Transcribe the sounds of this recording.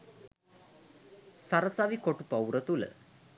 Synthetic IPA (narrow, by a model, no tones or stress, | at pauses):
saɾəsaʋikoʈupɐwɾət̪ulə̰